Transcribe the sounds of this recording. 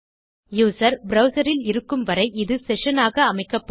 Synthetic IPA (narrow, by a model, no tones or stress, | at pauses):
juːsɐɾbɾɐʊsɐɾɪlɪɾɯkːɯmʋɐɾɐɪʔɪðɯsɛʂɐnaːɣɐːmɐɪkːɐpːɐ